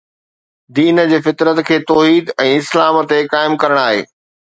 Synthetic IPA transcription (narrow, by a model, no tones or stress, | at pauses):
d̪iːnəd͡ʑeːfɪt̪ɾət̪kʰeːt̪ɔːɦiːd̪ɛ̃ːɪslaːmt̪ekaːɪmkɐɾəɽ̃aːɦḛː